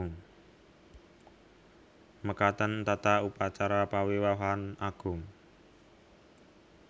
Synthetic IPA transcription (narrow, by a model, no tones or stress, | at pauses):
ŋ | məkat̪ənt̪at̪aupat͡ʃaɾapawiwaɦanaɡ̥ʊ̤ŋ